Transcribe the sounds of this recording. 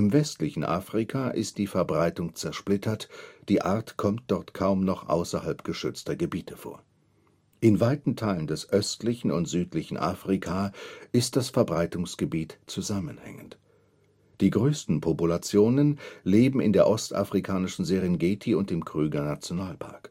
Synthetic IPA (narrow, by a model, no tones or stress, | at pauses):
ʔɪmvɛstlɪçn̩ʔa̰ːfʁ̥ikʰaʔɪ̰std̥iːfɛɐbʁaɪtʊŋt͡sɛɐʃplɪtʰɐtd̥iːʔaɐtkʰɔmt̚d̥ɔɐtkʰaʊmnɔχʔa̰ʊsɐhalpɡ̥əʃʏt͡stɐɡəbiːtʰəfo̰ːɐ | ʔɪnvaɪtn̩tʰaɪləndɛsʔœstlɪçn̩ʊ̰ntz̥yːtlɪçn̩ʔa̰ːfʁ̥ikʰaɪst̚d̥asfɛɐbʁaɪtʊŋsɡ̥əbiːtt͡suzamənhɛ̰ŋənt | d̥iːɡʁøːstn̩pʰopulat͡sjoːnənleːbm̩ɪ̰ndeːɐʔɔstʔa̰fʁ̥ikʰaːnɪʃn̩zeːʁinɡeːtʰiʊnt̚dɪmkʁ̥yːɡɐnat͡sjonaːlpʰa̰ɐk